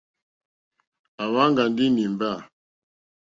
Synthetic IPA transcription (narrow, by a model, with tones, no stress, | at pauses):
a˨wa˦ŋɡa˨ndi˦ni˨mba˦˨